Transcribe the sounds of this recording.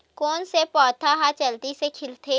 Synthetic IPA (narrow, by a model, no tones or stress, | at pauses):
kɔːnsepɔːt̪ʰaɦat͡ʃɐlt̪isekʰɪlt̪ʰe